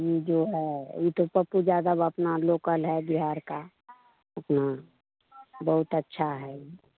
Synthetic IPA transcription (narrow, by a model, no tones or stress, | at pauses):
jid͡ʒoːɦɛit̪opəpud͡ʒaːd̪əbəpnaloːkəlɦɛbiɦaːɾka | ɐpna | bəɦʊt̪ətːʃʰaɦɛi